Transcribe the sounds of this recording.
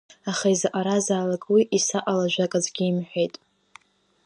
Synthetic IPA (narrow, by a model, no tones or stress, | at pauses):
aχaizaʔaɾazaːlakʼwiʔisaʔʼalaʒᶣʷakʼazɡʲiːmħᶣʷejtʼ